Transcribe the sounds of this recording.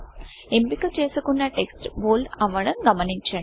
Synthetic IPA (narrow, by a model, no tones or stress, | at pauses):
embikːɐt͡ʃeːsukːunːɐʈeksʈboːlɐʋɐɽɐmɡɐmɐnit͡ʃːɐɳ